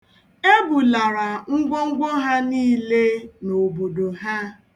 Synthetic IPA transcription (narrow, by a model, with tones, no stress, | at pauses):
e˦bu˨la˨ɾa˨ŋ̩˦ɡʷo˦ŋ̩˦ɡʷo˦ɦa˦niː˦le˦no˨bo˨do˨ɦa˦